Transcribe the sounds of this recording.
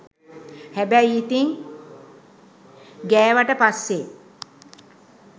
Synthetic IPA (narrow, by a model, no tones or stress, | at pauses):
hæbæjiːt̪iŋ | ɡæːʋaʈəpasːe